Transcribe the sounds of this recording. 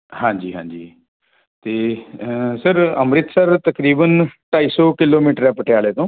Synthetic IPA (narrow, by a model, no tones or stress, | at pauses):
hãːɲd͡ʒḭːɦãːɲd͡ʒḭː | t̪eː | səɾəmɾɪt̪səɾt̪əkɾiːbənʈaːiːsɔːkɪloːmiːʈəɾɛːpəʈɪjaːleːt̪õː